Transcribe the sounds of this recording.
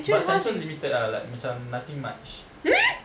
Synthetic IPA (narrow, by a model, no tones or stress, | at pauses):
basɛ̃nsɔ̃nlimit̪ədala̰jk̚mãt͡ʃamnat̪ĩŋma̰t͡ʃ